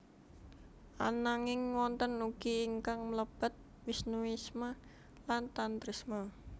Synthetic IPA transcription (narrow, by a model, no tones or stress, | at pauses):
ʔa̰naŋɪŋwɔnt̪ənuɡ̥iːŋkaŋmələb̥ə̤t̪̚ | wisnuisma | lant̪ant̪ɾisma